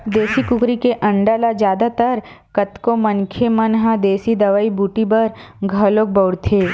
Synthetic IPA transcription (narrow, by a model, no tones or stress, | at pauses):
d̪eːsikʊkɾikeʔɐ̃ɳɖaːlad͡ʒjaːd̪at̪əɾ | kɐt̪komɐnkʰemɐnɦãd̪eːsid̪ɐʋaːibuːʈibɐɾ | ɡʱɐloːk̚bəʊɽt̪ʰeː